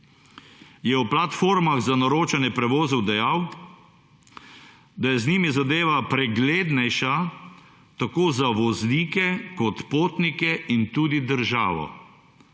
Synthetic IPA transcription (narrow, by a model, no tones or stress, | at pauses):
jɛwplat̪foːɾmaɣzanɔɾoːt͡ʃanjɛpɾɛʋɔːzɔwd̪ɛjaw | d̪ajɛzniːmizad̪eːʋapɾɛɡleːd̪nɛjʃa | t̪akoːzaʋɔzliːkɛkɔt̪poːt̪nikɛʔint̪uːd̪id̪əɾʒa̰ːʋɔ̰